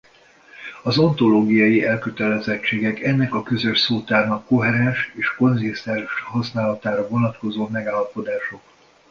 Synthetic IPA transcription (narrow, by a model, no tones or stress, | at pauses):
ɒzo̞nt̪o̞loːɡijɒjiɛlkøt̪ɛlɛzɛt͡ʃːeːɡɛkɛnːɛkɒkøzø̞ʃsoːt̪aːrnɒkːo̞ɦɛɾɛnʃeːʃko̞nzist̪ɛnʃhɒsnaːlɒt̪aːɾɒvo̞nɒt̪ko̞zoːmɛɡaːlːɒpo̞d̪aːʃo̞k